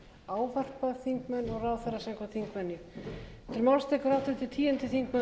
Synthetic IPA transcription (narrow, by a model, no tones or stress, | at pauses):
aːwvar̥paðθiŋkmɛnːɔɣraːwθɛɾːasaŋkvaθiŋkvɛnːjʏɛ̥t̪ɪɾmawlst̪ekʏɾawt̪ɪt̪ʰɪ̥t̪ʰiːjɛnt̪ɪθiŋkmɛ